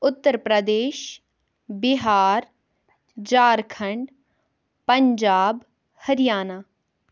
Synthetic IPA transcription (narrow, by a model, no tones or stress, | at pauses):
ʊt̪ːəɾpɾəd̪eːʃ | bɪɦaːɾ | d͡ʒaːɾkʰəɳɖ | pəɲd͡ʒaːb | həɾɪjaːnaː